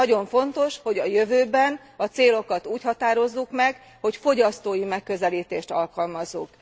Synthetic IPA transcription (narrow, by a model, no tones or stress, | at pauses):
ɒɟo̞ɱfo̞nt̪o̞ʃho̞ɟɒjøvøːbɛn | ɒt̪seːlo̞kɒt̪uːchɒt̪aːɾo̞zːukmɛɡ | ho̞cfo̞ɟɒst̪oːjimɛkːø̞zɛliːt̪eːʃt̪ɒ̰lkɒlmɒzːuk